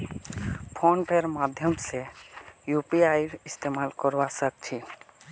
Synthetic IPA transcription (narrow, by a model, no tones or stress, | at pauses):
pʰonpeɾmad̪ʱjɔmsejupiajɾɪst̪emalkɔɾwasək̚t͡ʃʰi